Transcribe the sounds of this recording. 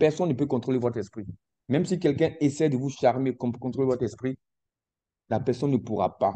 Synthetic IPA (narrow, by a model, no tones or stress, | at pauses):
pɛʁsɔnːəpøkɔ̃t̪χolevɔt̪χɛspχi | mɛ̃msikɛlkɛ̃esɛjd̪əvuʃaʁmekɔ̃kɔ̃t̪χolevɔt̪χɛspχi | lapɛʁsɔnːəpuʁa̰pa